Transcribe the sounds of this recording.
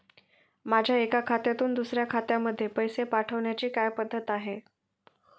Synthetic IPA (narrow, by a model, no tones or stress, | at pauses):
mad͡ʑʱjaekakʰat̪jat̪uːnd̪usɾjakʰat̪jaməd̪ʱːjepəjsepaʈʰəʋɳjat͡ɕiːkajpəd̪ʱːət̪aɦe